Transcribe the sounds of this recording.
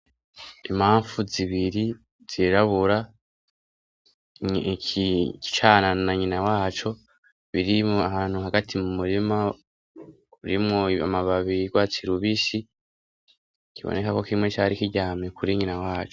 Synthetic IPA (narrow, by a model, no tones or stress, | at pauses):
imhaːɱfuziβiɾi | z̥iɾaβuɾa | kki̥t͡ʃananaɲinawaːt͡ʃo̞ | βiɾiahaːn̥huɦaɡatʰimumuɾima | uɾimŋoa̰maβaβiiɡwaːt͡siɾuβisi | kʰiβo̰ne̞kako̞kimŋet͡ʃaɾikiɟaːmikuɾiɲinawaːt͡ʃo̥